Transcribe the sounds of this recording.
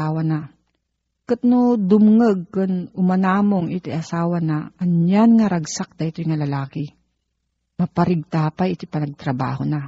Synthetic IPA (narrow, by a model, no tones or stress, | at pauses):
aːwana | kat̪nod̪ʊmŋɐɡ̚kʊnʊmɐnaːmoŋʔɪt̪ɪjʔɐsaːwɐnaʔɐnjanŋaɾɐɡsak̚t̪ɐʔɪt̪ojŋɐlɐlaːkɪ | mɐpɐɾɪɡ̚t̪apajɪt̪ojpɐnɐɡ̚t̪ɾɐba̰ːhona